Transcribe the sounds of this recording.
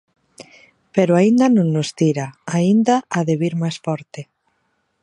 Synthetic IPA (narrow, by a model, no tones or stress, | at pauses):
peɾoaind̪anõŋːost̪iɾaaind̪aʔːðeβiɾmajsfɔɾt̪e